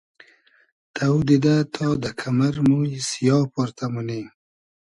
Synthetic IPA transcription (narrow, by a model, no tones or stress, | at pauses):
t̪ad̪id̪at̪ʰɑd̪əkʰamaɾmujsijɑpoɾt̪ʰamuni